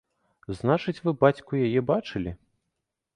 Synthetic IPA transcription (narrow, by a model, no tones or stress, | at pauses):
znat͡ʂɨt͡sʲvɨbat͡sʲkujajɛbat͡ʂɨlʲi